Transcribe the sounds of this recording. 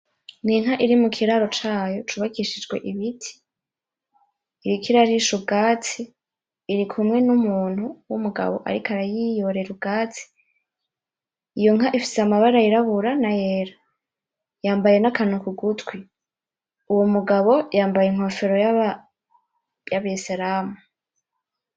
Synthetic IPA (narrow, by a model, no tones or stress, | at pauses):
niŋ̥ɦaʔiɾimukʰiɾaɾo̞t͡ʃaːjo̞tuβakiʃid͡ʒɡwe̞̰ʔiβitʰi̥ | ɾikʰiɾaɾiʃuɡaːt͡siː | ɾikʰumŋe̞numuːn̥huwumuɡa̰βo̞̰ʔa̰ɾikʰaɾajijo̞ɾe̞ɾuɡaːt͡si̥ | ijo̞ŋɦaʔifi̥samaβaɾaiɾaβuɾanajeːɾa | jaːmbaje̞nakʰanukuɡutwi | uwomuɡaβo̞jaːmbajeŋ̥hofeɾo̞ja | jaβaseɾaːmu